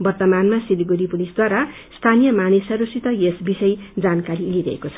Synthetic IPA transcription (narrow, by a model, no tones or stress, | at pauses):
bʌrt̪ʌmanmasiliɡuɾipulisd̪waɾa | st̪ʰanijʌmanesʌɾusit̪ʌjesbisʌjd͡zankaɾiliɾʌɦḛkot͡sʰʌ̥